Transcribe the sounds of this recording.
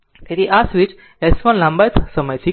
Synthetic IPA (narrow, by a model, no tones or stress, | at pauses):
t̪et̪iʔasʋit͡ʃ | ɛsfɔ̃nlãmbajt̪ʰsəməjt̪ʰi